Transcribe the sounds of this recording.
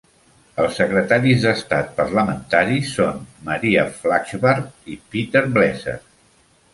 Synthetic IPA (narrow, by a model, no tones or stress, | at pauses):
əlˠsːəkɾət̪aɾizðəst̪at̪̚pərləmənt̪aɾisonməɾiəflakʒβəɾkipit̪eɾblɛzə̰